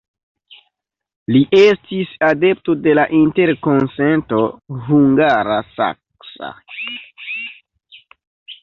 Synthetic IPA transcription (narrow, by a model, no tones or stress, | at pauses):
liʔe̞stisade̞p̚to̞de̞laʔinte̞ɾko̞nse̞nto̞ɦuŋɡaɾasa̰k | sa̰